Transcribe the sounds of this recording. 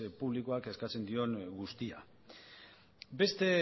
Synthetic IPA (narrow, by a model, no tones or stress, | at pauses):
puβ̞likoake̞skat͡se̞nd̪io̞ŋɡust̪ia | be̞st̪e̞